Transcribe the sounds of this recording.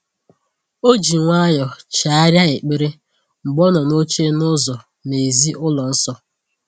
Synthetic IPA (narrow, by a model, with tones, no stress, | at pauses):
o˦d͡ʒi˨ŋʷa˦jɔ˨t͡ʃa˨a˦ɾja˦e˨k͡pe˦ɾe˦ | ŋ͡m̩˨ɡ͡bɔ˦nɔ˨no˦t͡ʃe˦nʊ˦zɔ˨ | ne˨zi˦ʔʊ˦lɔ˨n̩˦sɔ˦